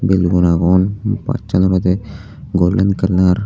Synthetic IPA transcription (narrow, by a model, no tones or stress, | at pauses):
belɡonaːɡoːnpa̰ːt͡ʃənd̪ɾot̪e | ɡoːlənkəɾnaːɾ